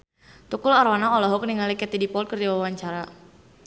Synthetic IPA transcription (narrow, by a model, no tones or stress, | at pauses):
t̪ukulaɾwanaɔlɔɦɔk̚niŋalikɛt̪idipɔlt̪̚kərd͡ʒawawaɲt͡ʃaɾa